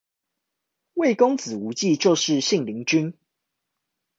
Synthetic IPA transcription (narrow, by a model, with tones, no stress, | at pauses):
we˥˨ɪko˦˥ŋt͡sɹ̩˨˩u˨˥t͡ɕi˥˨t͡ɕjo˥˨ʊʂɻ̩˥˨ɕi˥˨ŋli˨˦ŋt͡ɕy˦n